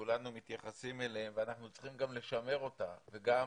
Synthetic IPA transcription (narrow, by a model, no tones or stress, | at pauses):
ulanumit̪jaχasimeleemveanaχnut͡sχimɡamle̞ʃame̞ʁo̞t̪a̰ve̞ɡa